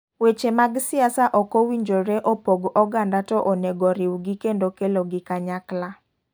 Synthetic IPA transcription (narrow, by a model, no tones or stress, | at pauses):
wet͡ʃemaɡsɪasaʔɔkowiɲd͡ʒoɾeʔopoɡɔɡandatɔʔonɛɡɔɾiwɡikendokeloɡɪkaɲakla